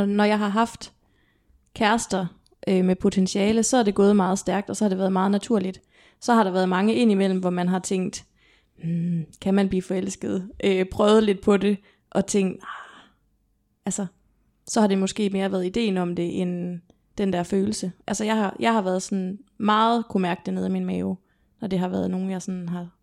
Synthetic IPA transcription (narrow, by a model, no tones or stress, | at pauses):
nɒjɑ̈ɪɦɑ̈ɦɑ̈fd̥ | kʰæɐsd̥ɐ | ʔømepʰo̝t͡sʰenɕiɛːləsɒ̽æɐd̥e̝ɡ̥ɔ̽ːð̞̩ˠmɑ̈ːð̞̩ˠsd̥æɐɡ̥̚d̥ɒ̽sɒ̽hɑ̈d̥eʋæːɐðˠmɑ̈ːð̩ˠnæt͡sʰuɐ̰lid̥ | sɒ̽ɦɑ̈ɾɑ̈ʋæːɐðˠmɑ̈ŋəe̝n̰imel̰m̩ʋɒmænɦɑ̈t͡sʰeŋ̰d̥ | m̩kʰæmænb̥liːfɒ̽el̰sɡ̥ð̞̩ˠʔøpʰʁœːʊð̞̩ˠəle̝d̥̚pʰɒ̽de̝ | ʔɒ̽t͡sʰeŋ̰d̥ | ʔælsɐ | sɒ̽hɑ̈de̝mɒ̽sɡ̥e̝̰ːme̝ːɐʋæːɐð̞̩ˠid̥e̝̰ːn̩ɒ̽md̥e̝ʔen | d̥end̥æɐføːl̩səʔælsɒjɑ̈ɪhɑ̈jʔɑ̈ɪhɑ̈ʋæɐð̞̩ˠsɒ̽n̩mɑ̈ːð̞̩ˠkʰumæɐɡ̥̚d̥ene̝ðˠiminmɛːʊ | nɒd̥e̝ɦɑ̈ʋæːɐðˠno̝ːn̩jɑ̈ɪsɒ̽nɦɑ̈